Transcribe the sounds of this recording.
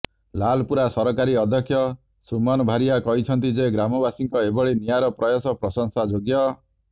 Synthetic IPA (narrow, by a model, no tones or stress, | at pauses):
lalɔpuɾasɔɾɔkaɾiɔd̪ʱjɔkʰːjɔ | sumɔnɔbʱaɾijakɔɦit͡ʃʰɔnt̪id͡ʒeɡɾamɔbasiŋkɔebɔɭenijaɾɔpɾɔjɔsɔpɾɔsɔŋsad͡ʒoɡjɔ